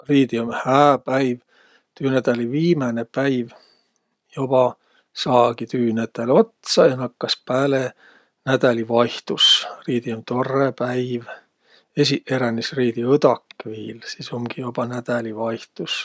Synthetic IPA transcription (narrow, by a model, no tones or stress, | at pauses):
riːd̪iomhæːpæjv | t̪yːnæd̪̥ɑliviːmɑnepæjv | job̥ɑ | sɑːɡ̥it̪yːnæt̪ːˑælo̞t̪sɑjɑnɑkːɑspæːle | næd̪̥ælivɑjht̪usriːd̪iomt̪o̞rːepæjv | esiʔe̞ɾænisriːd̪iɤd̪̥ɑkːviːlsiːsomɡijob̥ɑnæd̪̥ælivɑjht̪us